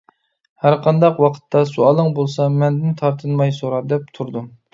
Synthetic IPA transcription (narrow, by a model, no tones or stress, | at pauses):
hæɾqʰɑnd̪ɑqwɑqʰə̥t̪ʰːɑsuɑlˠəŋbolˠsɑmɛnd̪ɪnt̪ʰɑɾt̪ʰɨnmɑjsoɾɑd̪ɛp̚t̪ʰuɾd̪um